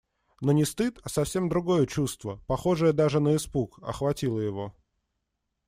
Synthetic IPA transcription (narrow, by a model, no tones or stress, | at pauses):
no̞nʲɪst̪ɨt̪ɐsɐfsʲe̞md̪ɾʊɡo̞jət͡ɕust̪vəpɐxo̞ʐɨjəd̪aʐɨnəɪspukɐ̰xvɐtʲilˠəjɪvo̞